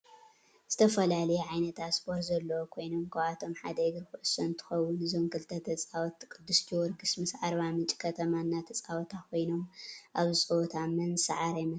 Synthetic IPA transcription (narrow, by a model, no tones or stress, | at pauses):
z̥ɨt̪ʰɐfɐlalɐjɛʕajnɐt̪ʰaspʰo̞ɾt̪zɐlːɐwokʰo̞jno̞mkʰawat̪ʰo̞mħad̪ɐjɡɨɾxuʔɨsɐnt̪ʰɨ̥xɐwːʊnɨzomkʰɨlt̪ʰɐt̪ʰɐt͡sʼawɔt̪kʼɨd̪ːust̪ʰiwɔɾɡɨsmɨsʕaɾβamɨt͡ʃʼi̥kʰɐt̪ʰɐmanːat̪ʰɐt͡sʼawt̪ʰakʰo̞jno̞mʔaβɨsʼoot̪ʰamɐnsaʕaɾajmɐ